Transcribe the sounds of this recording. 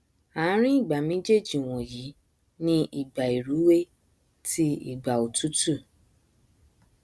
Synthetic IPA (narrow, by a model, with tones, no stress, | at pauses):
a˨˦ɾ̃ĩ˦i˦˨ɡ͡ba˨mẽ˦d͡ʒe˦˨d͡ʒi˨w̃ɔ̃˨ji˨˦ | nĩ˦ʔi˨ɡ͡ba˨i˨ɾu˨˦we˦ | ti˦ḭ˦˨ɡ͡ba˨o˨tu˨˦tu˦˨